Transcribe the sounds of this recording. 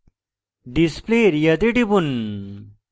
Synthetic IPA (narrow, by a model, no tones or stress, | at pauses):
ɖispleɾjɐt̪eʈipun